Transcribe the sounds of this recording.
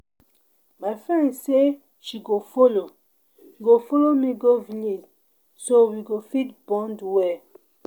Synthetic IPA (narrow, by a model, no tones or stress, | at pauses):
maɪfɹɛ̃nse | ʃiɡofolo | ɡofɔlomiɡovinid | sowiɡofitbɔ̃ndwɛ